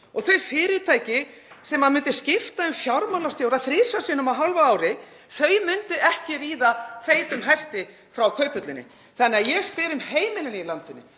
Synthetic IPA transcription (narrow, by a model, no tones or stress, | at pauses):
ɔɣθœɥfɪːɾɪt̪ʰaːjcɪ | sɛmːaðmʏnt̪ɪscɪft̪aɛmfjawɾmanlast̪jowɾaðθɾɪːsasɪnʏmaðɦalvaaːwɾɪ | θœɥmʏnt̪ɪʔɛhcɪɾiːðaθeːjt̪ʏmɦɛst̪ɪ | fɾawkʰœːɥpʏt̪lɪnːɪ̰ | θɛnːɪajɛɣspɪːɾʏmheːjmɪnɪnɪilant̪ɪnːɪ̰